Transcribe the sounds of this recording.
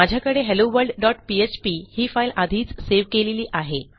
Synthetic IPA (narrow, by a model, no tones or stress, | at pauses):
ad͡ʑʱjakəɽeɦeloʋəɾɖɖɔʈpiet͡ɕpiːhiːfailad̪ʱiːt͡sseʋkeleliːʔaɦe